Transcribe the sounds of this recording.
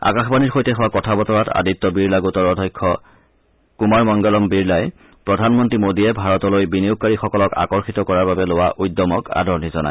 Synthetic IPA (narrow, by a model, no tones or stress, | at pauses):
a̰kaxbaniɹxojtɛxowakɔtʰabɔtɔɹata̰ditːɔbiɹlaɡutɔɹɔdʱɔjkʰːɔ | kumaɹmɔŋɡɔlɔmbiɹlaj | pɹɔdʱanmɔntɹimodiɛbʱaɹɔtɔlojbiniʊkkːaɹixɔkɔlɔka̰kɔɹxitɔkɔɹaɹbabɛlowaʔujdɔmɔka̰dʱɔɹnizɔna̰j